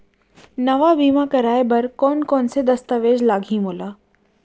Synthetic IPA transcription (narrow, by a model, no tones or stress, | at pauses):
nɐʋabiːmakɐɾaːebɐɾkɔːnkɔːnsed̪ɐst̪əʋeːd͡ʒlaːɡʱĩmoːlaː